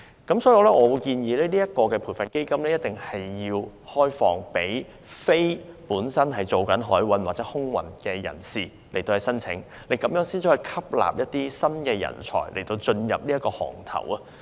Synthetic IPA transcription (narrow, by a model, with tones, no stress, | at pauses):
kɐ˨˥msɔː˥ji˧wlɛː˥ʔɔː˨˧wuː˨˧jkiː˧njiː˨˧lɛː˥niː˥ɐ˥t̚kɔː˧kɛː˧pʰuː˨˩fɐ˨nke˥jkɐ˥mlɛ˥jɐ˥t̚t̪ɪ˨˩ŋhɐ˨jːiː˧whɔː˥jfɔː˧ŋpe˨˥j | fe˥jpuː˨˥nsɐ˥nɦɐ˨˩jt͡so˨wkɐ˨˥nɦɔː˨˥jwɐ˨˧nwaː˨k̚t͡sɛː˨˥hʊ˥ŋwɐ̰˨˩nkɛː˧jɐ̰˨˩nsiː˨ | le˨˩t̪o˧whɐ˨jsɐ˥nt͡sʰɪ̰˨˥ŋ | le˨˧jkɐ˨˧mjœː˨˥ŋsiː˥nt͡sʰiː˨˥hɵ˨jkʰɐ˥p̚la̰ː˨p̚jɐ˥t̚t̪iː˥sɐ˥nkɛː˧jɐ̰˨˩nt͡ʃʰɔ̰ː˨˩jle˨˩jt̪o˧wt͡ʃɵ˧njɐ̰˨p̚niː˥ɐ˥kːɔː˧hɔ̰ː˨˩ŋt̪ʰɐ̰˨˩wɐ˧